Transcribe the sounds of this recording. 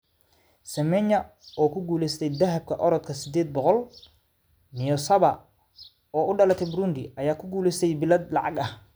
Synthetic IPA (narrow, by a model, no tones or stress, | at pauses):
sɐmɛɲɐ | ɔːkʰʊɡuːlɛst̪ʰɛjd̪ɐɦɐb̚kʰɐʔɔɾɔd̪kʰɐsɪd̪ɛːd̪̚bɔqɔl | nɪjɔsɐβɐ | ɔːʊɖɐlɐt̪ʰɛjbɾuːnd̪ɪʔɐjaːkʰʊɡuːlɛst̪ʰɛjbɪlɐd̪lɑ̰ʕɑ̰ɡɐh